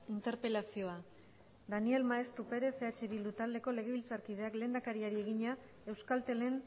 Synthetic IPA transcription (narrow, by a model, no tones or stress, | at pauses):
int̪e̞ɾpe̞lasio̞a | d̪anie̞lmaest̪upe̞ɾe̞se̞at͡ʃeβilut̪ald̪e̞ko̞le̞ɣ̞e̞β̞ilt͡saɾkið̞e̞akle̞ːnd̪akaɾiaɾie̞ɣiɲa | e̞wskalt̪e̞le̞n